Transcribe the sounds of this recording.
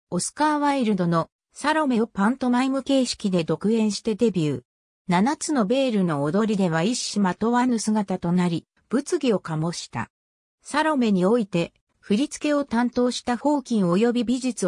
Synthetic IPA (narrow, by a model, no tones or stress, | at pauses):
osɨ̥kaːβaiɾɯ̟d̪o̞no̞ | saɾo̞me̞pãnt̪o̞maimɯ̟ke̞ːɕi̥kʲid̪e̞d̪o̞kɯ̟ẽ̞ɰ̃ɕi̥t̪e̞d̪e̞bʲjɯː | nanat͡sɨno̞be̞ːɾɯ̟no̞ːd̪o̞ɾʲid̪e̞βaiɕːimat̪o̞βanɯsɨɡat̪at̪o̞naɾʲi | b̥ɯ̟t͡sɨɡʲio̞kamo̞ɕi̥t̪a̰ | saɾo̞me̞ɲ̟io̞it̪e̞ | ɸɯ̟ɾʲit͡sɨ̥ke̞o̞t̪ãnt̪o̞ːɕi̥t̪aho̞ːkʲĩɰ̃oːjo̞bʲibʲiʑit͡sɨ